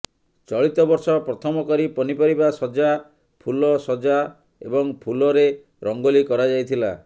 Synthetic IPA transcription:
t͡ʃɔɭit̪ɔbɔɾsɔpɾɔt̪ʰɔmɔkɔɾipɔnipɔɾibasɔd͡ʒa | pʰulɔsɔd͡ʒa | ḛbɔŋpʰulɔɾe | ɾɔŋɡolikɔɾad͡ʒajt̪ʰila̰

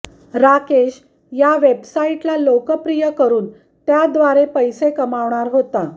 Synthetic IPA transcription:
ɾakeɕ | jaʋebsaiʈlalokəpɾijəkəɾuːn | t̪jad̪ʋaɾepəjsekəmaʋɳ̃aɾɦot̪a

